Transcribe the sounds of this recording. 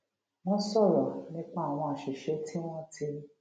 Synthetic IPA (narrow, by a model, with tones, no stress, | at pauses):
w̃ɔ̃˦sɔ˦˨ɾɔ˨nĩ˦k͡pa˦a˨w̃ɔ̃˧a˨ʃe˨ʃe˨˦ti˦w̃ɔ̃˦ti˧ɾi˦